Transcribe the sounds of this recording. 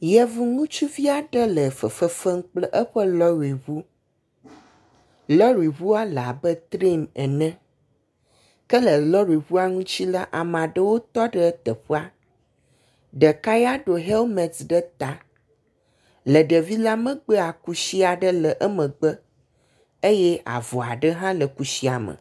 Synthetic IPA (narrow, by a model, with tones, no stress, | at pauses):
jɛ˦vu˦ŋũ˦t͡ʃu˦vi˦a˨ɖə˦lə˨fə˨fə˨fə˦ŋ̩˦k͡plɛ˦ʔə˦ɸə˦lɔ˦ɾi˨βu˦ | lɔ˦ɾi˨βu˦a˦la̰˨bə˦t̪ɾi˦mɛ˨nɛ̃˦ | kə˦lə˨lɔ˦ɾi˨βu˦a˦ŋũ˦t͡ɕi˦la˦ʔa˨m˨ã˨ɖə˦wo˦t̪ɔ˦ɖə˦t̪ə˨ɸo˦a˦ | ɖə˨ka˦ja˦ɖo˨ɦe˦lmɛ̃˨t̪ɖə˦t̪a˨ | lə˨ɖə˨vi˦la˦mə̃˦ɡ͡bə˦a˨ku˦si˦a˨ɖə˦lə˨ʔə˦mə̃˨ɡ͡bə˦ | e˦jɛ˦a̰˨vɔ˨a˨ɖə˦ɦã˦lə˨ku˨si˦a˨mə̰̃˨